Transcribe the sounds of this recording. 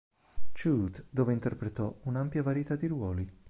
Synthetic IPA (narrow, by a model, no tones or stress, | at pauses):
t͡ʃuːt̪d̪oːveint̪erpɾet̪ɔunampjavaɾit̪ad̪iɾwɔːli